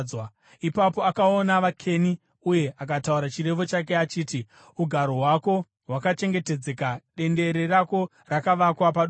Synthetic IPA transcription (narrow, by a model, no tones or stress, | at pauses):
w | ipapo̞akaonaʋakʰe̞ni | uje̞ak̬atauɾat͡ʃire̞ʋo̞t͡ʃak̬e̞at͡ʃiːti | uɡʱaɾo̞ɦwako̞ | ɦwakat͡ʃe̞ŋɡe̞te̞d͡zekaɗe̞nde̞ɾe̞rako̞ | rakaʋakwapaɗ